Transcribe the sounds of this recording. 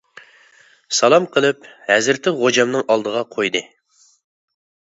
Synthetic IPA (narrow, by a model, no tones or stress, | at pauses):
sɑlˠɑmqʰəlˠɨphæzɪɾt̪ʰɪʁod͡ʒɑmnɨŋʔɑlˠd̪əʁɑqʰojd̪ɨ